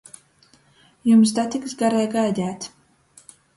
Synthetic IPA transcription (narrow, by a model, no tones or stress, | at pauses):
jums̬d̪at̪ʲiksɡaɾɛjɡajd̪ʲæːt̪